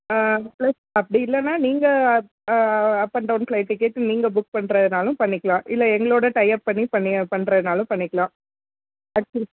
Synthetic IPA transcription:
plɐsɐpːɐɽiɪlːɐnːaːniːŋɡɐ | ɐpːɐɳɖɐʊnfɭɐɪʈːɯkːeːʈ̪ːɯniːŋɡɐbʊk̚pɐɳɾɐðɯnaːlʊ̃pɐɳːɪkːɐɭãːʔɪlːɐɛŋɡɐɭoːɽɐʈɐɪɐpːɐɳːipɐɳːɪpɐɳːɾɐðɯnaːlʊ̃pɐɳːɪkːɐɭãː | ɐk̚t͡ʃɐli

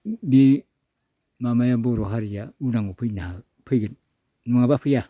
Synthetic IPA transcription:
bi | mamajaboɾoɦaɾijaunaŋopʰɯjnaha | pʰɯɡet | numaŋabapʰɯja

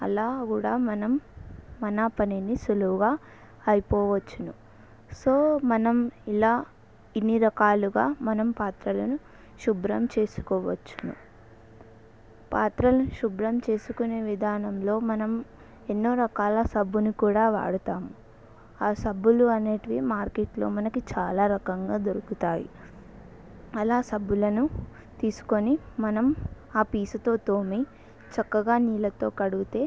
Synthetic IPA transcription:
ɐ̰laːkuːɽaːmɐnɐmːɐnaːpɐninisuluɡaː | ɐjipɔːʋɐt͡ʃːunu | soːmɐnɐmilaː | inːiɾɐkaːluɡaːmɐnɐmpaːt̪ɾɐlɐnu | ʃubɾɐmt͡ʃe̞ːsu̥kɔːʋɐ̰t͡ʃːu̥nṵ | paːt̪ɾɐlɐnʃubɾɐmt͡ʃe̞ːsukune̞ːʋid̪ʱaːnɐmlo̞ːmɐnɐm | e̞nːo̞ːɾɐkaːlɐsɐbːunikuːɽaːʋa̰ːɽut̪aːmu | aːsɐbːuluɐneːʈiʋimaːɾkeʈlo̞̰ːmɐnɐkit͡ʃaːlaːɾɐkɐŋɡaːd̪oɾukut̪aːjḭ | ɐlaːsɐbːulɐnu | t̪iːsu̥ko̞nimɐnɐm | aːpiːsut̪o̞ːt̪oːmi | t͡ʃɐkːɐɡaːniːlɐt̪o̞ːkɐɽuɡut̪e̞ː

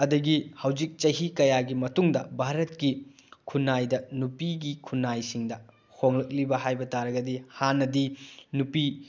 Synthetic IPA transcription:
ɐdɐɡihɐwd͡ʒik̚t͡ʃɐjɦikɐjaɡimɐtuŋdɐbʱaɾɐt̚ki | kʰunajdɐnupiɡikʰunajsiŋdɐ | hʰoŋlɐk̚libɐɦajbɐtaɾɐɡɐdihanːɐdinupi

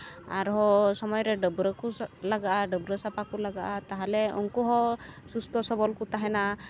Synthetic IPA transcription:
a̰ɾɦɔsɔmɔjɾɛɖəbɾəkulaɡaʔaɖəbɾəsapakulaɡaʔat̪aɦalɛṵŋkuɦɔsust̪ɔsɔbɔlkut̪aɦɛna

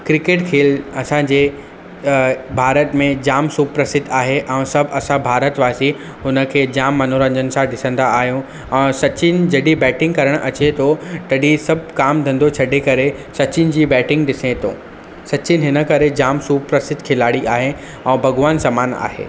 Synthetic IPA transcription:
kɾɪkeːʈkʰeːlɐsãd͡ʑeː | bʱaːɾət̪mẽd͡ʑaːmsuːpɾəsɪd̪aːɦeʔɛ̃sɐbʱɐsãbʱaːɾət̪ʋaːsi | ɦʊnə̆kʰeːd͡ʑaːmːɐnuɾə̃ɲd͡ʑənɪ̆sãɗɪsə̃nd̪aːɦijũ | ɛ̃ːsɐt͡ɕɪnɪ̆d͡ʑɐɗibɛːʈɪ̃ŋɡkɐɾəɽ̃ʔɐt͡ɕet̪ʰot̪ɐɗisɐbʱkaːmd̪ʱɐ̃nd̪ot͡ɕʰɐɖʱekɐɾesɐt͡ɕɪn̆d͡ʑiːbɛːʈɪ̃ŋɡɗɪsẽt̪ʰo̰ː | sɐt͡ɕɪnɦɪnə̆kɐɾed͡ʑaːmsuːpɾəsɪd̪kʰɪlaːɽiʔaːɦe | ɛ̃ːbʱɐɡʋaːnsaːmaːna̰ːɦḛː

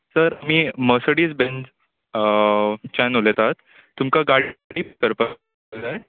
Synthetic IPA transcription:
səɾamiːməsəɽiːt͡sbend͡z | t͡ɕanolet̪at̪ː | umkaɡaɽɽiːpəɾpə | d̪a

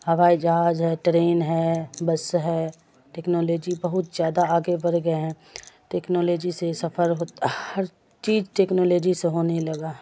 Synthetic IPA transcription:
ɦɐʋaːid͡ʒɐɦaːzɦɛʈɾeːnɦɛbɐsɦɛ | ʈeːknoːloːd͡ʒibɐɦʊt̪zjaːd̪aaːɡebɐɾɡɐeɦɛ̃ | ʈeːknoːloːd͡ʒisesɐpʰəɾɦoːt̪ahɐɾ | t͡ʃiːd͡ʒʈeːknoːloːd͡ʒiseɦoːnelɐɡaːɦ

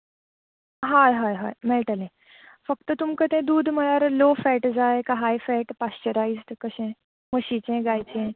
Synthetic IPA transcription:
ɦaeɦajɦajmɛɭʈalẽ | fəkt̪ət̪umkət̪ẽd̪uːd̪ʱməɭaɾlofɛʈd͡zaekaɦajfɛʈpast͡ɕəɾaizʈkəɕẽ | məɕit͡ɕẽɡajt͡ɕẽ

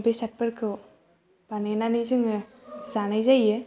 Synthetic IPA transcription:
besat̚pɯɾkʰɯw | banenanizɯŋɯ | zanajzajɯ

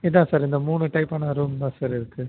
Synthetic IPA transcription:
ɪðãːsaːɾɪnd̪ɐmuːɳɯʈɐɪpːaːnɐɐɾɯmd̪ãːsaːɾɪɾɯkːɯ

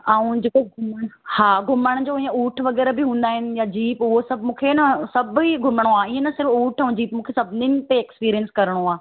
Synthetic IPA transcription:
aːũd͡ʑekoɡʱʊməɽhaːɡʱʊməɽ̃d͡ʑoːiẽuːʈʰʋɐɡɛːɾabɪɦũːn̆d̪aːɦɪnɪ̆jad͡ʑiːpʊɦosɐbʱmũːkʰenɐsɐbʱiɡʱʊməɽ̃oaːiẽnɐsɪɾfuːʈʰũd͡ʑiːpmũːkʰesɐbʱnɪnt̪eeːkspiːɾijənskɐɾəɽ̃oaː

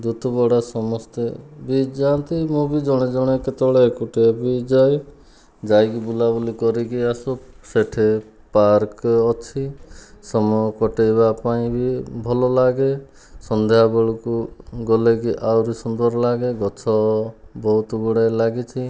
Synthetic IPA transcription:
d̪ut̪ɔbɔɽasɔmɔst̪ebid͡ʒant̪imũbid͡ʒɔɽ̃ed͡ʒɔɽ̃eket̪ɔɭekuʈebid͡ʒaj | d͡ʒajkibulabulikɔɾikiasu | seʈʰe | paɾkɔt͡ʃʰisɔmɔkɔʈejbapaĩbibʱɔlɔlaɡe | sɔnd̪ʱeɦabɔɭukuɡɔlekiʔawɾisɔnd̪ɔɾlaɡeɡɔt͡ʃʰɔbɔɦut̪ɔɡɔɽelaɡit͡ʃʰi

